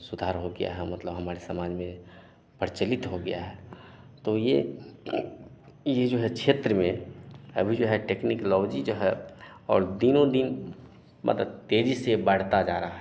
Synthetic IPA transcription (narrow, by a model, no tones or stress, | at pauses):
sʊd̪ʱaːɾɦoɡɐja̰ɦɛmɐt̪ləbɦɐmaːɾesɐmaːd͡ʒmẽ | pəɽt͡ʃəlɪt̪ɦoɡɐja̰ɦɛ | t̪oje | jed͡ʒoːɦɛkʃʰeːt̪ɾəmẽɐ̰bʱid͡ʒoːɦɛʈeːknɪklɔːd͡ʒid͡ʒoːɦɛ | ɔːɾd̪inõd̪in | mʔɐ̰t̪ləb̚t̪eːd͡ʒisebəɽ̤t̪ad͡ʒaːɾaɦɛ